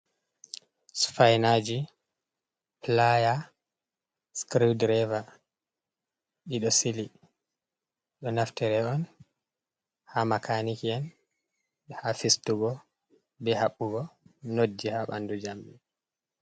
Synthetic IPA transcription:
sfajnad͡ʒi | plaja | skɾidɾɛva | ɗiɗɔsili | ɗɔnaftɛɾɛɔn | hamakanikiɛn | hafistuɡɔ | bɛhaɓːuɡɔnod͡ʒːihaɓa̰ndud͡ʒamɓɛ

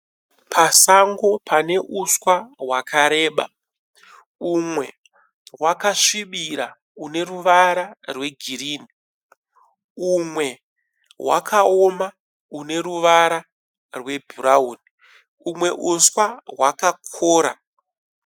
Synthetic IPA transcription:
pʰasaŋɡo̞pʰane̞ʔuswaɦwakʰaɾe̞ːɓa̰ | umwe̞ | wakaʂiɓiɾa | une̞ruʋaɾarwe̞ɡʱiɾiːni | umwe̞ | wa̰kʰaoma | une̞ɾuʋaɾa | rwe̞bʱuɾauːni | umwe̞ʔuswawakakʰoːɾa̰

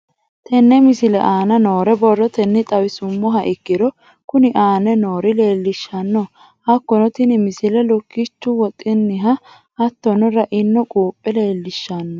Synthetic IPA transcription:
t̪ʰɛnːɛmɪsɪlɛ̰ʔaːnɐno̞ːɾɛbɔrːɔt̪ɛnːɪt̪ʼɐwɪsʊmːɔɦɐʔɪkːɪɾɔ | kʊnɪʔaːnɛno̞ːɾɪle̞ːlːɪʃːɐnːɔ | hɐkːɔnɔt̪ɪnɪmɪsɪlɛlɔkːɪt͡ʃːʊwɔt̪ʼːɪnːɪɦɐ | ɐt̪ːɔnɔɾɐʔɪnːɔkʼuːpʼːɛle̞ːlːɪʃːɐnːɔ

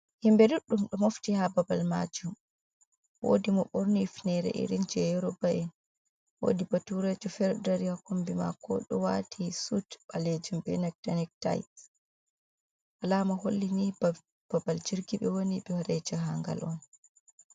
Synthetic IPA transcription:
himbɛduɗːumɗɔmoftihababalma̰d͡ʒum | wo̰ːdimɔɓoɾnifnɛɾɛ̰ʔḭɾind͡ʒɛjɔɾɔbaʔɛn | wo̰ːdibatuɾɛd͡ʒɔfɛɾdaɾiakombima̰kɔ̰ɗɔwatʰisutbaled͡ʒumbɛnɛk̚tanɛk̚ta̰jt | ʔalaːmaɦolːinib | b̥abald͡ʒiɾɡiɓɛwoniɓɛhɔɾɛd͡ʒaɦaŋɡa̰lʔɔn

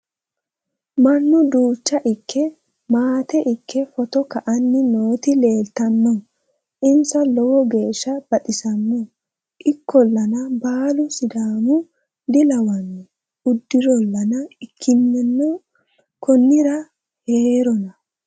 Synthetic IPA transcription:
mɐnːʊd̪uːt͡ʃːɐʔɪkʰːɛ | maːt̪ɛʔɪkʰːɛfɔt̪ɔkɐʔɐnːɪno̞ːt̪ɪle̞ːlt̪ɐnːɔ | ʔɪnsɐlɔwɔɡe̞ːʃːɐb̥ɐɗɪsɐnːɔ | ʔɪkʰːɔlːɐnɐbaːlʊsɪd̪aːmʊ | d̪ɪlɐwɐnːɛ | ʊd̪ːɪɾɔlːɐnɐɪkʰːɪnːɛnːɔ | kʰɔnːɪɾɐ | heːɾɔnɐ

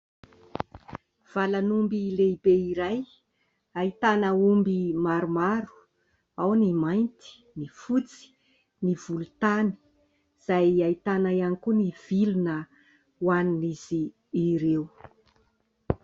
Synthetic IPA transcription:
v̥alanumbileibeiɾaj | ait̪anəumbimaɾumaɾu̥ | awnimajnt̪i̥ | nifut͡si̥ | niv̥ulut̪ani̥ | z̥ajait̪anaianikuniv̥ilunə | waniniziː | ɾew

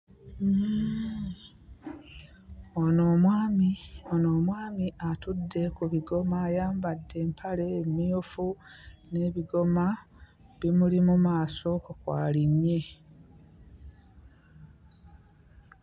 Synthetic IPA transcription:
onoːmwaːmionoːmwaːmiatudːe̞kuβiɡo̞maːjaːmbadːe̞ːmpʰale̞ːmiofune̞ːβiɡo̞ma | βimulimumaːso̞kukwaːliɲːe̞

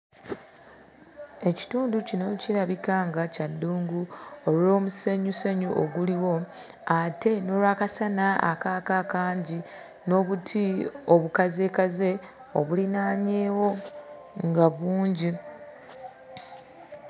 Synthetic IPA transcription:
e̞ci̥tuːnducino̞ciɾaβikaːŋɡacadːuːŋɡuolo̞ːmuseɲuseɲuʔoɡuliwo̞ | ate̞no̞ːlwakasanaa̰kaːkaːkaːɲɟi | no̞ːβutʰioβukaze̞ːkaze̞ | o̰βulinaːɲe̞ːwo̞ | ŋɡaβuːɲɟi

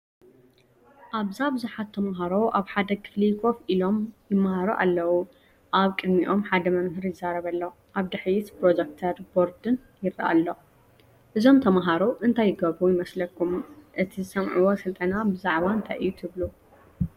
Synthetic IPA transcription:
ʔaβzabɨzuħat̪ʰːɐmɦaɾo̞ʔaβħad̪ɐkʰɨ̥flikʰo̞filo̞mjɪmːahaɾoʔa̰lːɐwu | ʔaβkʼɨd̪miʔo̞mħad̪ɐmɐmhɨɾjɪzːaɾɐβɐlːɐ | ʔaβd̪ɨħjit̪pɾod͡ʒ̪ek̚t̪ʰɐɾbo̞ɾd̪ɨn | jɪrɐ̰ʔa̰lːo | ʔɨzo̞mt̪ʰɐmaɦaɾoʔɨnt̪ʰajːɪɡɐβujɪmɐslɐkʰːumʔɨt̪ʰizɨsɐmʕuwosɨlt̪ʼɐnabɨzaʕβant̪ʰaʔɨ̰jːut̪ʰɨβlu

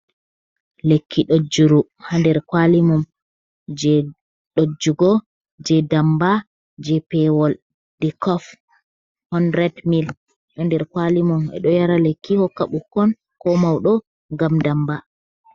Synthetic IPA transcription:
lekʰːiɗod͡ʒuɾu | handɛɾkwalimum | d͡ʒɛ | ɗod͡ʒuɡɔ | d͡ʒɛdamba | d͡ʒɛpɛwɔl | dɛkɔf | hɔndɾɛdmil | ɗɔndɛɾkwalimumɛ̰ɗɔjaɾalekːihɔkːaɓukːɔn | kɔmawɗɔ | ŋɡamdamba

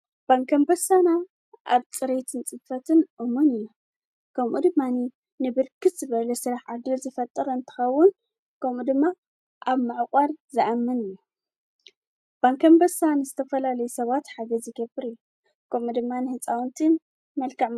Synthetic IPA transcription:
b̥aŋkʰɐmbɐsana | ʔa̰βt͡sʼɨɾet̪ʰɨnt͡sʼɨbfɐt̪ʰɨnʔomunɨjːu | kʰɐmʔud̪ɨmːani | nɨbɨɾkʰɨt̪z̥ɨβɐlɐsɨɾaħʕad̪ɨlzɨfɐt̪ʼːɐɾɐɨnt̪ʰɨ̥xɐwːʊn | kʰɐmud̪ɨmːa | ʔaβmaʕkʼaɾzɨʔamːɨnɨjːu | b̥aŋkʰɐmbɐsanɨzɨt̪ʰɐfɐlalɐjusɐβat̪ħaɡɐzɨɡɐbɨɾɨjːu | kʰɐmud̪ɨmːanɨhɨt͡sʼawnt̪ʰin | mɐlkʰɐʕm

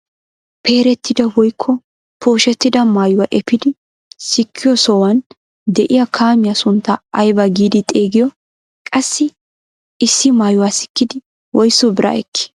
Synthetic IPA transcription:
pʰe̞ːɾɛt̪ʰːɪd̪ɐwɔjkʰːɔ | pʰo̞ːʃɛt̪ːɪd̪ɐmaːjʊwaʔɛpːɪd̪ɪ | sɪkʰːɪjɔsɔwɐn | d̪ɛʔɪjɐkʰaːmɪjɐsʊnt̪ːɐɐjbɐɡiːd̪ɪt̪ʼeːɡɪjɔ | kʼɐsːɪ | ɪsːɪmaːjʊwaːsɪ̥kːɪd̪ɪ | wɔjsːɔbɪɾʔɐ̰ɛ̰kːɪ̥

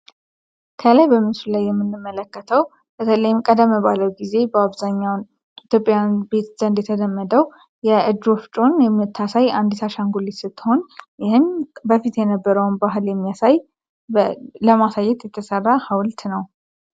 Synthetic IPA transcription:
kʰəlajbəmɨsulajːɛmːɨnːɨmːələkːət̪ʰəw | b̥ət̪ʰələjɪmkʼəd̪əmːəβaləwɡize̞bəaβzaɲːawn | it̪ʰjo̞pʼjanbe̞t̪z̥ənd̪jɛt̪ʰəd̪əmːəd̪əw | jɛɨd͡ʒoft͡ʃʼo̞njɛmːt̪ʰːasajand̪isaʃaŋɡulisɨt̪ʰːɨho̞njɪhɨnbəfit̪jɛnəbːəɾəwnbaɦɨljɛmːijasaj | ləmasajːɛt̪jɛt̪ʰːəsərːahawlt̪nəw

